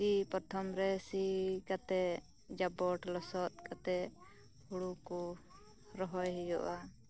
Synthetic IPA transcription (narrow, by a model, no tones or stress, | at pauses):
kipɔt̪ʰɔmɾɛsikat̪ɛ | d͡ʒabɔʈlɔsɔt̪̚kat̪ɛ | huɽuku | ɾɔɦɔjɦɛjɔʔa